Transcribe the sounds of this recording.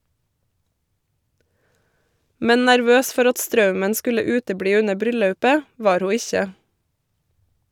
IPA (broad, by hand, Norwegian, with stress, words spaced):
ˈmɛn næɾˈʋøːs ˈfɔɾ ˈɑt ˈstɾɑʉmən ˈskʉlə ˈʉːtəˌbɽiː ˈʉnə ˈbɾʏˌlɑʉpə ˈʋɑːɾ ˈhuː ˈɪçə